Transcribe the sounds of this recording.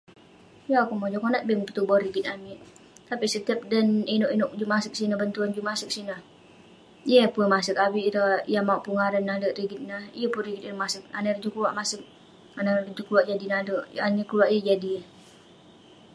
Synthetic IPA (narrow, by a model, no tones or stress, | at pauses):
jakumod͡ʒɔkɔnaʔ̪̚bɛŋpət̪ubɔriɡit̪̚amiʔ | t̪apisət̪əp̚daninɔʔinɔk̚d͡ʒumasək̚sinəbənt̪uand͡ʒumasək̚sinəh | jəpumasəkabiʔɾəjamauʔpuŋaɾanːaləʔɾiɡit̪̚nahijəpunriɡit̪inʔmasək̚a̰narəd͡ʒukuluwaʔmasək̚ | anarəd͡ʒukluaʔd͡ʒadinaləʔaɲəkuluaʔijəd͡ʒadi